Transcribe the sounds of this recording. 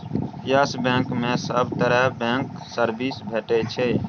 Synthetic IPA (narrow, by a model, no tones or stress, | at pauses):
jəsbɛ̃ːkmẽːsəbt̪əɾɛbɛ̃ːŋksəɾbiːsbʱeːʈet͡ʃʰeː